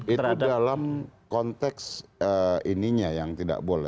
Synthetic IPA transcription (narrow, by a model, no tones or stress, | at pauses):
it̪udalamkɔnt̪ɛksəiniɲajaŋt̪ida̰ʔbolɛ̰